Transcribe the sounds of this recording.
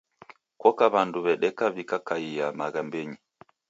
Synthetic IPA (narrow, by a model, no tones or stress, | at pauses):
kwɔkaβanduβɛɗɛkaβikakaijamaɣambɛɲi